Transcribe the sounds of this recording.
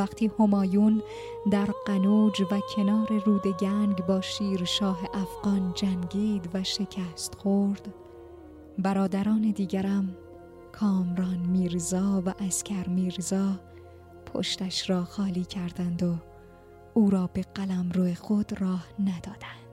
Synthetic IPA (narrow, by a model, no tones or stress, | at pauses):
væqt̪ʰiːho̞mɒːjuːn | d̪æɾɢænuːd͡ʒvæcʰe̞nɒːɾe̞ruːd̪e̞ɟæŋɡbɒːʃiːɾʃɒːɦe̞ʔæfɣ̥ɒːnd͡ʒæŋɡiːd̪væʃe̞cʰæst̪xoɾd̪̥ | bæɾɒːd̪æɾɒːne̞d̪iːɡæɾæm | kʰɒːmɾɒːnmiːɾzɒːvæʔæscʰæɾmiːɾzɒː | pʰo̰ʃt̪æʃɾɒːxɒːliːcʰæɾd̪ænd̪o | uːɾɒːbe̞ɡælæmɾuexod̪̥rɒːhnæd̪̥ɒːd̪̥ænd̪̥